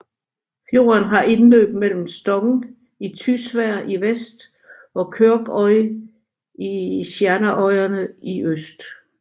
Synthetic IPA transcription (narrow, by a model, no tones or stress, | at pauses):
fjo̝̰ːɐnɦɑ̈ʔe̝nlø̰ːb̥mel̰m̩sd̥ɒ̽ɡ̥n̩ | it͡sʰysʋæɐ̰ʔiʋesd̥ | ɒ̽kʰøɐɡ̥ɒ̽ɪ | iɕjæɐnəʔɒ̽ɪɐnəiʔøsd̥